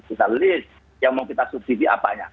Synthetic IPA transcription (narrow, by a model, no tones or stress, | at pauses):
kit̪alɪs | jaŋmaukit̪asup̚t̪ifiʔa̰pa̰ɲa̰